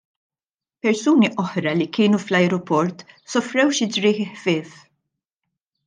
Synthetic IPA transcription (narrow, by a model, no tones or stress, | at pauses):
pɛɾsuːniʔɔħɾɐlikɪːnuflɐjɾɔpɔɾt̪sɔfɾɛwʃɪd͡ʒɾɪːħɪħfɪːf